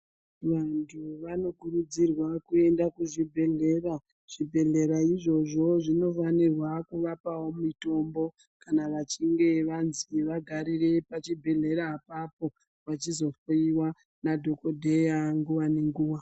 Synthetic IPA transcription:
ʋantʰuʋano̞kuɾud͡zirwakue̞ndakuʐibʱe̞ɮe̞ra | ʐ̥ibʱe̞ɮe̞ɾaiʐo̞ʐo̞ʐino̞fanirwakuʋapawo̞mito̞mbo̞ | kanaʋat͡ʃiŋɡe̞ʋanziʋaɡʱaɾire̞pat͡ʃibʱe̞ɮe̞ɾaːpapo̞ | ʋat͡ʃizo̞foiwa | nadʱo̞ko̞dʱe̞jaŋɡuwane̞ŋɡuːwa

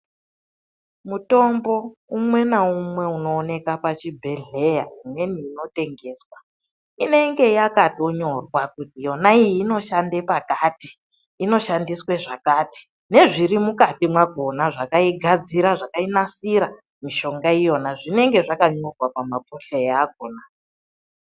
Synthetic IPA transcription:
muto̞mbo̞umwe̞naumwe̞uno̞ːne̞kapat͡ʃibʱe̞ɮe̞jamwe̞niːno̞te̞ŋɡe̞ːswa | ine̞ŋɡe̞jakato̞ɲo̞rwakutijo̞naijiːno̞ʃande̞pakati̥ː | no̞ʃandisweʐakaːti̥ | ne̞ʐiɾimukatimwaɡʱo̞naʐakaiɡʱad͡ziɾaʐakainasiɾa | miʃo̞ŋɡaijo̞naʐine̞ŋɡe̞ʐakaɲo̞rwapamapoɬejaɡ̚ʱona

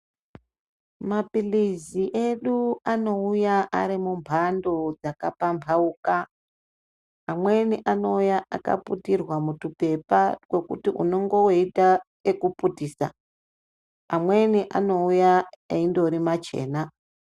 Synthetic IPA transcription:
mapiliziʔe̞ɗuano̞ujaʔaɾimumbʱando̞d͡zakapampʰauːka | mwe̞niʔano̞ujaa̰ka̰putirwamutupe̞pakwo̞kutiʔṵno̞ŋɡo̞woita | ekuputiːsa̰ | mwe̞niʔa̰no̞ujaeindo̞ɾimat͡ʃe̞̰ːna

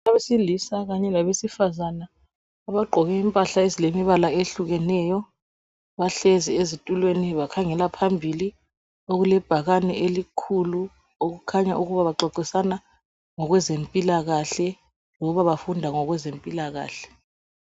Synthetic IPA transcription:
aβesilisaɣaɲɛlaβesifazanaː | βaɡ͡ǃʱɔɣɛimpʼaɬaezilemiβalaeɬuɣɛnɛjɔ | βaɬeziezitʼulweniβakʰaŋɛlapʰambʱili | oɣulɛb̥ʱaɣanɛʔelikʰulu | oɣukʰaɲa̰ʔuɣuβaβaǃɔǀisana | ŋɔɣwɛzempʼilaɣaɬɛ | lɔuβaβafundʱaŋɔɣwɛzempʼilaɣa̰ːɬɛ̥

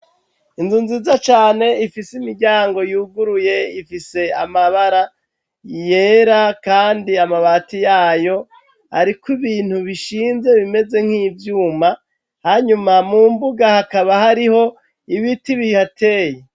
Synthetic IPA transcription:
inzuːnziːzat͡ʃaːne̞ifisimiɾɟaːŋɡo̞juːɡuɾuje̞ifise̞a̰maβaɾa | je̞ːɾakaːndiamaβaːtijaːjo̞ | ha̰ɾikwiβiːn̥huβiʃiːnze̞βime̞ze̞ŋ̥hiːvjuːma | haɲumamuːmbuɡahakaβaɦaɾiho̞ | iβitiβihatʰe̞ːje

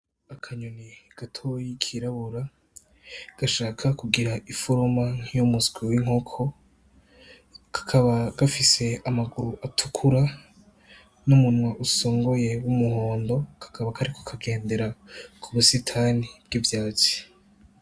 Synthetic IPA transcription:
akʰaɲoniɡ̥atʰojikʰiɾaβuɾa | ɡ̥aʃaːkʰakuɡiɾaʔifoɾomaŋ̥ijomusɡ̥wiwiŋokʰo̞ | kʰḁkʰaβaɡ̥afise̞amaɡuɾuʔatʰukʰuɾa | numunwaʔusoːŋɡo̞je̞wumuho̞ːndo̞kʰḁkʰaβakʰaɾikʰo̥kʰaɡe̞ːnde̞ɾakʰuβusitʰanib̥̚ɡivjaːt͡si̥

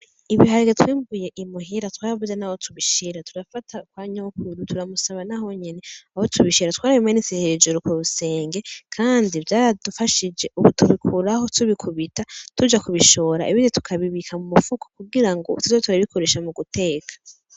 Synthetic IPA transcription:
iβiɦaɾiɡetwiːmbɡuje̞ʔimuɦiɾatwaːɾaβuzenaho̞tʰuβiʃiɾatʰuɾafatʰakwaːɲokuɾutʰuɾamusaβanaho̞ɲene̞ahotʰuβiʃiɾatwaːɾaβimaniseheɾed͡ʒuɾukuβuse̞ːŋɡe̞kʰaːndivjaːɾadufaʃid͡ʒe̞ʔuβutʰuβikʰuɾahotuβikʰuβitatud͡ʒakuβiʃo̞ːɾa̰ʔiβinitu̥kʰaβiβikʰamumufukʰo̥kuɡiɾaŋɡotuzotuɾaβikʰoɾe̞ːʃamuɡute̞ːkʰḁ

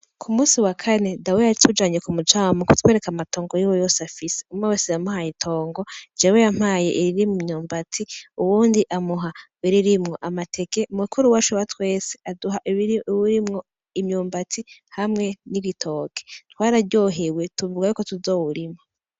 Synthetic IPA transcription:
kʰumuːsiwakʰane̞daweaɾitʰud͡ʒaːɲekumut͡ʃawmukutwe̞ːɾe̞kamato̞ːŋɡojiwojo̞ːsafise̥umawesejamuhaitʰo̞ːŋɡo̞d͡ʒewejam̥aːjḛʔiɾiɾimumɲuːmbatʰiuwuːndiʔamuɦawiɾiɾimŋoʔamatʰekeumukʰuɾuwaʃuwatwe̞ːse̥aduɦaʔuɾimŋo̞ | imɲuːmbatihamŋe̞niβitʰo̞ːkʰe̥twaːɾaɾɟo̞ɦewe̞tuβuɡajukotuzo̞ːwuɾima

